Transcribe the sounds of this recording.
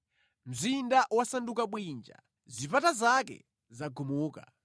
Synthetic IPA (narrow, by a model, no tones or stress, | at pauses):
m̩zindaʔwasandukaɓwind͡ʒa̰ | zipatazakɛ̰ | zaɡʱumuːka̰